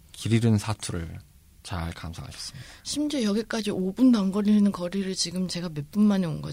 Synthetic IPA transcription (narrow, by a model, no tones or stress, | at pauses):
kiɾiɾɯnsʰatʰuɾɯ̰ɭ | t͡ɕaɭkamsʰaɦa̰ɕʰʌsɯ̥midaɕʰimd͡ʑejʌɡik͈ad͡ʑiʔobundaŋɡʌɾʎinɯnkʌɾiɾɯɭt͡ɕiɡɯmt͡ɕe̞ɡame̞p͈unmaneonɡʌ